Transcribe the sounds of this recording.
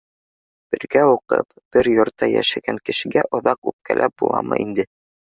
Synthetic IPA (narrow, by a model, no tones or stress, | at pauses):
b̥ɘ̆ɾɡæuqɤ̰p | b̥ɘɾjŏɾt̪ːɑjæ̰ʃæɡæŋkɘ̆ʃɘ̆ɡæʔŏðɑqʉp̚kælʔæp̚bulˠɑ̰mʔɤ̰ʔind̪ɘ